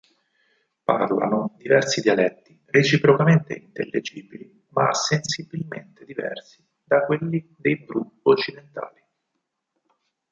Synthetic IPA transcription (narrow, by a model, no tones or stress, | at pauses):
pa̰rla̰nod̪ivɛrsid̪jalɛt̪ːi | ret͡ʃipɾokament̪ḛint̪elːed͡ʒiːbili | masːensibilmḛnt̪ed̪ivɛ̰rsi̥ | d̪akwelːid̪ejbɾuot͡ʃːid̪ent̪a̰ːli